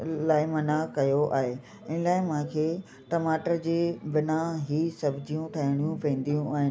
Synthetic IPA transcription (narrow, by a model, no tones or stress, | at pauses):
laːɪmɐnakɐjoʔa̰ːɦeː | ɪnɪlaːɪmãːkʰeː | ʈɐmaːʈəɾd͡ʑeːbɪnaɦisɐbʱɪd͡ʑijũʈ̪ʰaɦɪɽ̃ijũpẽːn̆d̪ijũʔaːɦɪn